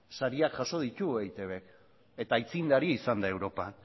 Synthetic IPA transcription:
saɾiakʝaso̞ð̞it̪uejt̪e̞βe̞k | e̞t̪ait͡sind̪aɾiisand̪ae̞wɾo̞pan

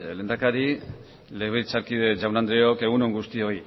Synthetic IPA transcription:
le̞ːnd̪akaɾi | le̞β̞et͡saɾkiðe̞d͡ʒawnand̪ɾeoke̞ɣunoŋɡust̪io̞i

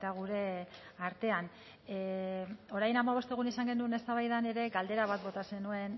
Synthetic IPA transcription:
t̪aɣ̞uɾe̞ | aɾt̪e̞an | o̞ɾajnamaβ̞o̞st̪e̞ɣ̞unisaŋɡe̞nune̞st̪aβajð̞ane̞ɾe̞ɡald̪e̞ɾaβ̞at̪bo̞t̪ase̞nue̞n

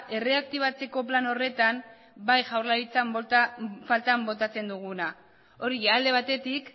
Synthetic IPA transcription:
ʔe̞re̞ak̚t̪iβ̞at͡se̞ko̞plano̞re̞t̪am | bajʝawɾlaɾit͡sam | falt̪ambo̞t̪at͡se̞nd̪uɣ̞una | o̞ɾiald̪e̞β̞at̪e̞t̪ik

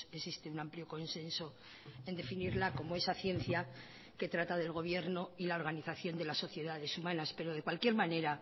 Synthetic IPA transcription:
esist̪eunampljo̞ko̞nse̞nso̞ | e̞nd̪e̞finiɾlako̞moe̞saθje̞nθja | ke̞t̪ɾat̪aðe̞lɣ̞o̞β̞je̞ɾno̞ilao̞ɾɣaniθaθjo̞nd̪e̞lasːo̞θje̞ðaðe̞sumãnaspe̞ɾo̞ð̞e̞kwalkje̞ɾmãne̞ɾa

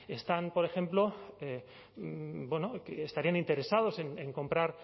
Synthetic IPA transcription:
e̞st̪anpo̞ɾe̞xe̞mplo̞e | bwenokeest̪aɾianint̪e̞ɾe̞saðo̞se̞neŋko̞mpɾaɾ

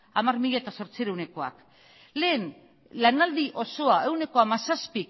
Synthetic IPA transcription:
amarmiʎaet̪aso̞ɾt͡siɾe̞wne̞ko̞a̰k | le̞ːn | lanald̪iʔo̞so̞aʔe̞wne̞ko̞amasaspi

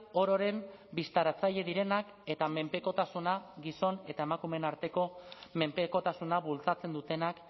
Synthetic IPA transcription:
o̞ɾo̞ɾe̞mbist̪aɾat͡saʎe̞ðiɾe̞nak | e̞t̪ame̞mpe̞ko̞t̪asunaɡiso̞ne̞t̪ae̞makume̞naɾt̪e̞ko̞me̞mpe̞ko̞t̪asunaβult͡sat͡se̞nd̪ut̪e̞nak

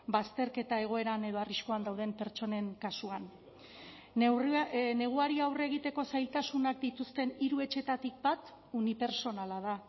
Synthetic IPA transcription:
bast̪e̞ɾke̞t̪ae̞ɣ̞o̞e̞ɾane̞ð̞o̞ariskoand̪awðe̞mpe̞ɾt͡ʃo̞ne̞ŋkasuan | ne̞ɣ̞uaɾiawre̞ɣ̞it̪e̞ko̞sajlt̪asunakd̪it̪ust̪e̞niɾue̞t͡ʃe̞t̪at̪ik̚bat̪ | unipe̞ɾso̞nalað̞a

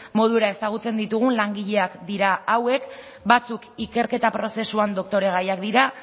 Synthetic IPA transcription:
mo̞ðueɾae̞saɣ̞ut͡se̞nd̪it̪uɣ̞unlaŋɡiʎe̞akd̪iɾaawe̞k | bat͡sukike̞ɾke̞t̪apɾo̞se̞suand̪o̞k̚t̪o̞ɾe̞ɣajakd̪iɾa

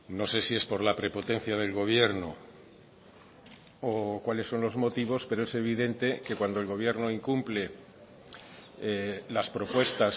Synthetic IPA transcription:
no̞se̞sie̞spo̞ɾlapɾe̞po̞t̪e̞nθjað̞e̞lɣo̞β̞je̞ɾno | okwale̞sːo̞nlo̞zmo̞t̪iβ̞o̞spe̞ɾoe̞se̞β̞iðe̞nt̪e̞ke̞kwand̪oelɣo̞β̞je̞ɾno̞iŋkumple̞ | laspɾo̞pwe̞st̪as

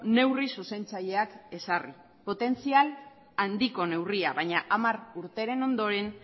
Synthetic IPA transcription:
ne̞wrisuse̞nt͡saʎe̞ake̞sarḭ | po̞t̪e̞nt͡sial | and̪iko̞ne̞wriaβajɲaʔamaɾuɾt̪e̞ɾe̞no̞nd̪o̞ɾe̞n

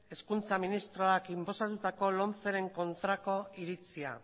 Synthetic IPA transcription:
e̞skunt͡saminist̪ɾo̞akimpo̞sat̪ut̪ako̞lo̞nt͡se̞ɾe̞ŋko̞nt̪ɾako̞iɾit͡sia̰

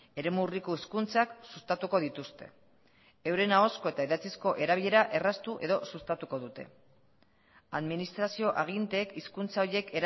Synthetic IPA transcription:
e̞ɾe̞muriko̞iskunt͡saksust̪at̪uko̞ðit̪ust̪e̞ | ewɾe̞nao̞sko̞e̞t̪aiðat͡sisko̞ʔe̞ɾaβ̞iʎe̞ɾaʔe̞rast̪uʔe̞ðo̞sust̪at̪uko̞ðut̪e̞ | aðminist̪ɾasio̞ʔaɣ̞int̪e̞kiskunt͡sao̞je̞ke̞ɾ

